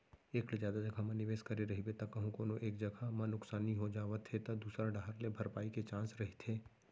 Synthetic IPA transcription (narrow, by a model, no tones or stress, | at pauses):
eːklezjaːd̪ad͡ʒɐɡʱamɐnɪʋeːskɐɾeɾɐɦibet̪ɐkɐɦũkoːnoʔeːkd͡ʒɐɡʱamɐnʊksaːniɦod͡ʒaːʋət̪ɦet̪ɐd̪uːsɾaɖʱaːɦɾlebʱɐɾpaːiket͡ʃãːsɾɐɦit̪ʰeː